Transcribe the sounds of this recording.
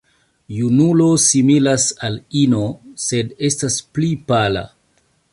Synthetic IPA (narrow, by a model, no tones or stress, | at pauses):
junulo̞similasalinose̞de̞stasplipala̰